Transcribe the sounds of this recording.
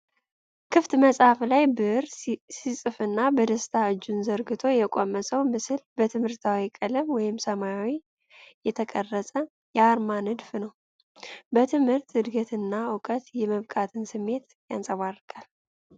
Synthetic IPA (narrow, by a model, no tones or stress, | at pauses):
kʰɨft̪məsʼhaflajbɨɨɾsisʼɨfɨnːabəd̪əst̪ʰaɨd͡ʒːunzəɾɡɨt̪ʰo̞jɛkʼomːəsʼəwmɨsɨlbət̪ʰɨmhɨɾt̪ʰawikʼələmwɔjɪmsəmajawi | jɛt̪ʰəkʼərːəsʼə | jɛaɾmanɨd̪fnəw | bət̪ʰɨmhɨɾt̪ɨd̪ɡət̪ɨnːaʊkʼət̪jɛməβkʼat̪ʰɨnsɨmːe̞t̪ | ja̰nsʼəβarːɨkʰʼal